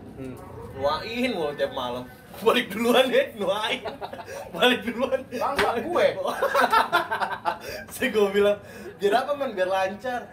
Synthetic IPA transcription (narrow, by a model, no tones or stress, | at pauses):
nuaʔinwɔlt̪iap̚maləm | balɪk̚duluanɛnuaɪnbalɪk̚duluanlaŋsaɡuɛkɔ | saɡobilaŋ | biaɾapamanbiarlaɲt͡ʃar